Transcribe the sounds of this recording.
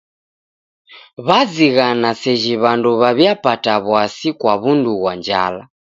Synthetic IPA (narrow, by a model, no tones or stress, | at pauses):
βaziɣanasɛʒiβanduβaβjapataβwasikwaβunduɣwand͡ʒa̰la